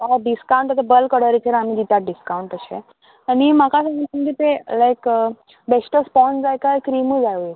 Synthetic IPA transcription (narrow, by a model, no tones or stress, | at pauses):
aɖiskaw̃ɳʈat̪abəlkəɽəɾitʰeɾam̤id͡ʒit̪jaɖiskawuɳʈəɕḛ | animakasəŋt̪əmɡit̪elajk | besʈəspɔnsd͡zajkajkɾimud͡zajuj